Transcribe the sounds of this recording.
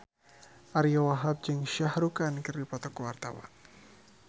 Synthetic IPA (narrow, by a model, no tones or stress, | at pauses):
ʔaɾiowaɦap̚d͡ʒɨŋʃahɾukankɨrdipɔt̪ɔkowart̪awa̰n